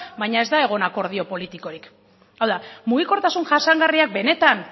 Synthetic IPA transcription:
bajɲae̞zd̪ae̞ɣ̞o̞nako̞ɾð̞io̞po̞lit̪iko̞ɾik | awðamuɣ̞iko̞ɾt̪asunʝasaŋɡariak̚be̞ne̞t̪an

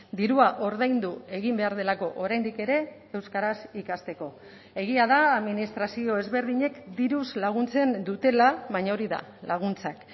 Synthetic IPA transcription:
d̪iɾuaʔo̞ɾðajnd̪ue̞ɣimbe̞aɾð̞e̞lako̞ʔoɾajnd̪ike̞ɾe̞ː | wskaɾasikast̪e̞ko̞ | e̞ɣiaðaːðminist̪ɾasio̞e̞zβe̞ɾðiɲe̞kd̪iɾuzlaɣ̞unt͡se̞nd̪ut̪e̞laβajɲao̞ɾiða̰ | laɣ̞unt͡sak

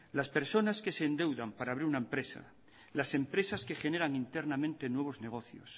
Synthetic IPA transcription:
laspe̞ɾso̞naske̞se̞ːnd̪e̞wðampaɾaːβɾiɾunaempɾe̞sa̰ | lase̞mpɾe̞saske̞xe̞ne̞ɾaŋint̪eɾnamẽnt̪e̞nwe̞β̞o̞zne̞ɣ̞o̞θjo̰s

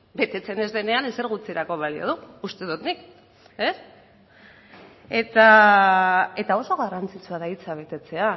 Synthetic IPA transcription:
be̞t̪e̞t͡se̞ne̞zðe̞ne̞anese̞ɾɣ̞ut͡siɾako̞β̞alio̞̰ð̞uust̪e̞ðut̪nik | e̞s | e̞t̪a | e̞t̪ao̞so̞ɣarant͡sit͡suaðait͡saβ̞e̞t̪e̞t͡se̞a

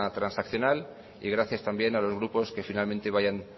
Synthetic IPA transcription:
at̪ɾansakθjo̞nal | ḭɣ̞ɾaθjast̪ambje̞nalo̞zɣ̞ɾupo̞ske̞finalmẽnt̪e̞βaʝan

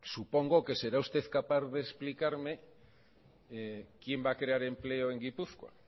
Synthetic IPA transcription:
supo̞ŋɡoke̞se̞ɾaust̪eθkapaððeːsplikaɾme̞ | kje̞mbakɾe̞aɾe̞mple̞oe̞ŋɡipuθkwa̰

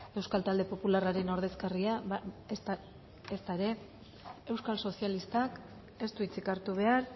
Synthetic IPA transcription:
e̞wskalt̪ald̪e̞po̞pularaɾe̞no̞ɾð̞e̞skaria | st̪aeɾe̞ | e̞wskalso̞sialist̪ak | e̞st̪uit͡sikaɾt̪uβe̞aɾ

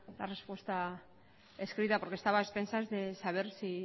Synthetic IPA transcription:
la̰respwe̞st̪a | eskɾit̪apo̞ɾke̞st̪aβaespe̞nsazðe̞saβ̞e̞ɾsi

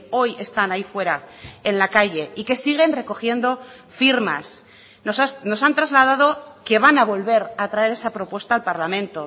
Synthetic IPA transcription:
o̞je̞st̪anaifwe̞ɾaenlakaʝe̞ike̞siɣ̞e̞nre̞ko̞xje̞nd̪o̞ | fiɾma̰s | nosasno̞sant̪ɾazlað̞að̞o̞ke̞βanaβ̞o̞lβe̞ɾat̪ɾae̞ɾe̞sapɾo̞pwe̞st̪aːlpaɾlamẽnt̪o̞

